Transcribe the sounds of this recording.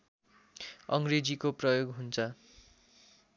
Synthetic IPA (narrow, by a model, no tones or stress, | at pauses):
ʌŋɡred͡zikoprʌjoɡɦunt͡sʰʌ